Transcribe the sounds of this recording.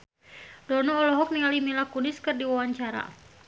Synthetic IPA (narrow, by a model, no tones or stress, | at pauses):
dɔnɔːlɔɦɔk̚niŋalimilakunɪskɨrdiwawaɲt͡ʃaɾa̰